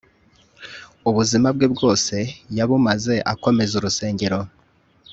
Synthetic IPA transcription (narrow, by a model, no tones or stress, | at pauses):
uβuzimabɡebɡo̞ːse̞jaβumaze̞ʔako̞me̞zuɾuse̞ːɲɟe̞ɾo̞